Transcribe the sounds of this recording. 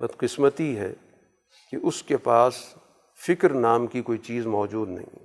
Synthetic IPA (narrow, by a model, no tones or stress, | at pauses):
bɐd̪qɪsmət̪iɦɛ̰ | keʔʊskepaːs | fɪkɾnaːmkikoːit͡ʃiːzmɔːd͡ʒuːd̪nɐ̰ɦḭ̃